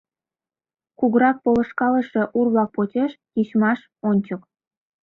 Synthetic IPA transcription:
kuɣɾɑk̚polɤ̆ʃkɑlə̆ʃĕʔurβlɑk̚pot͡ɕʲeʃjiɕmɑʃ | onʲt͡ɕɤ̆k

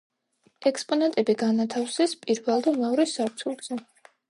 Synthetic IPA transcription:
ɛkspʼɔnɛnt̪ʼɛbiɡanat̪ʰafsɛspʼiɾvɛlˠd̪amɛɔɾɛsaɾt̪sʰulˠz̥ɛ

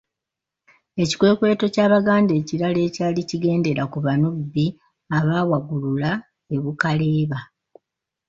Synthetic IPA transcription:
e̞ci̥kwe̞ːkwe̞ːto̞caːβaɡaːnde̞ːciɾale̞ːcaːliciɡe̞ːnde̞ɾakuβanuββi | aβaːwaɡulula | e̞βukale̞ːβa

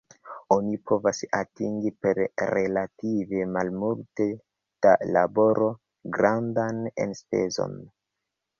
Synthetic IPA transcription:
o̞nipʰo̞vasatiŋɡipe̞ɾɾe̞lative̞malmulte | d̥alabo̞ɾʔo̞ | ɡɾandane̞̰nspe̞̰zo̞̰n

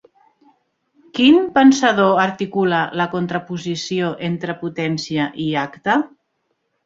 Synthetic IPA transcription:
kinpənsaðoaɾt̪ikulələkont̪ɾəpuzisioʔent̪ɾəput̪ɛnsiəʔiakt̪ə

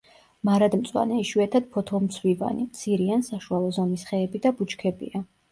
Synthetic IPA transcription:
maɾad̪mt̪sʼwa̰nɛiʃwɛt̪ʰad̪̥̚pʰɔt̪ʰɔmt̪sʰwiva̰nimt̪sʰiɾiansaʃualˠɔzɔmisχɛːbid̪abut͡ʃkʰɛbḭa

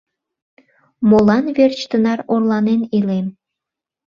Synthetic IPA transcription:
molɑnβert͡ɕt̪ənɑɾorlɑnenilem

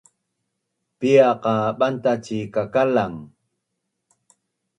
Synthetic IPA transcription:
piɑqɑɓant̪at͡ʃikakalaŋ

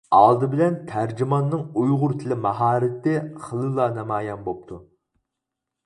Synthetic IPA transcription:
ɑlˠd̪ɨbɪlɛnt̪ʰæɾd͡ʒimɑnːɨŋujʁʊɾt̪ʰɪlɪmɑɦɑːɾɪt̪ɪχəlˠɨlˠːɑnɛmɑːjɛnbop̚t̪ʰu

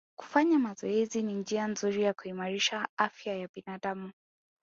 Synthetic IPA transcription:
ku̥faɲamazɔɛzinind͡ʒianzuɾijakuimaɾiʃaafjajabinaːɗamu

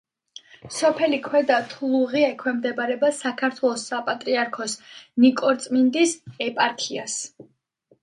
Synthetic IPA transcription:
sɔpʰɛlikʰwɛd̪at̪ʰulˠuʁiɛkʰwɛmd̪ɛbaɾɛbasakʰaɾt̪ʰwɛlˠɔsːapʼat̪ʼɾiaɾkʰɔsnikʼɔɾt̪sʼmind̪isɛpʼaɾk̪ʰias

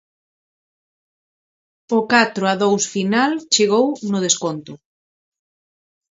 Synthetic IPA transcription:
ʊkat̪ɾʊaðowsfinalt͡ʃeɣownʊð̞eskont̪ʊ

